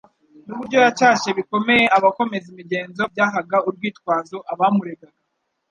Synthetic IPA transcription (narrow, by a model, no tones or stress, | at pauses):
nuβuɾɟo̞jat͡ʃaːʃeβiko̞me̞je̞aβako̞me̞zimiɟe̞ːnzo̞b̚ɟaːɦaɡauɾɡwiːtkwaːzoʔaβamuɾe̞ɡaɡ̥a